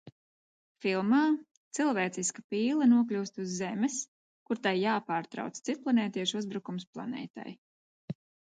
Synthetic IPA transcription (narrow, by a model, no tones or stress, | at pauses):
filˠmaː | t̪silˠvɛːt̪siskapiːlˠɐnuɔklʲuːst̪uzːɛmɛs | kuɾt̪ajːaːpaːɾt̪ɾa̰wt̪st̪sit̪̚plˠanɛːt̪iɛʃuzbɾukumsplˠa̰nɛ̰ːt̪a̰j